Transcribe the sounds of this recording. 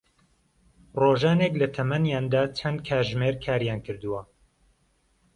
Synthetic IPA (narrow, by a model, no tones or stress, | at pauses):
roːʒaːneklɐt̪ʰɐmɐnjaːnd̪aːt͡ʃʰɐnkʰaːʒmeːɾkʰaːɾjaːnkʰɨɾd̪uwɐ